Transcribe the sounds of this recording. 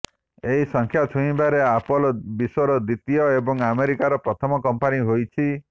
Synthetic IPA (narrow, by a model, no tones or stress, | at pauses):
eɦisɔŋkʰjat̪ʰũĩbaɾeapɔlɔbiswɔɾɔd̪it̪ijɔebɔŋameɾikaɾɔpɾɔt̪ʰɔmɔkɔmpaniɦojt͡ʃʰi